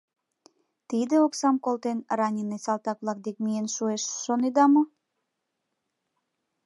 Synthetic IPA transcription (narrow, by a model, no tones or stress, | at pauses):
t̪id̪eoksɑmkolt̪enrɑnʲinesɑlt̪ɑk̚βlɑk̚d̪ekmijenʃueʃːoned̪ɑmŏ